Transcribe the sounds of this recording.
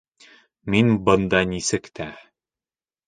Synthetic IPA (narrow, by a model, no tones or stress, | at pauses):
minbɤ̆nd̪ɑnisɘkt̪ʰæ